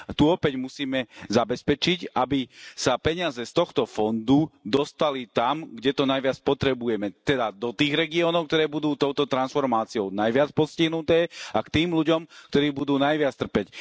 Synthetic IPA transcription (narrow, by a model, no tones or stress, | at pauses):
t̪uɔpɛɟmusiːmɛzabɛspɛt͡ʃicabisapɛɲɪazɛst̪ɔxt̪ɔfɔnd̪ud̪ɔst̪alit̪amɡɟɛt̪ɔnajʋɪat͡spɔt̪ɾɛbujɛmɛt̪ɛd̪ad̪ɔt̪iːɣɾɛɡiɔːnɔʊk̚t̪ɔɾɛːbud̪uːt̪ɔʊt̪ɔt̪ɾansfɔɾmaːt͡siɔʊnajʋɪat͡spɔsciɦnut̪ɛːakt̪iːmluɟɔmkt̪ɔɾiːbud̪uːnajʋɪat͡st̪r̩pɛc